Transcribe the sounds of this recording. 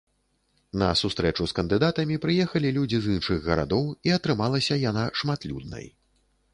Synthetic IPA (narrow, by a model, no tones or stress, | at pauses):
nɐ̰sust̪ɾɛt͡ʂuskɐnd̪ɨd̪at̪ɐmʲipɾɨjɛxɐlʲilʲud͡zʲizɨnʂɨɣːɐɾa̰d̪ɔwiɐt̪ɾɨmalˠɐsʲɐjanaʂmat̪lʲṵd̪̚nɐ̰j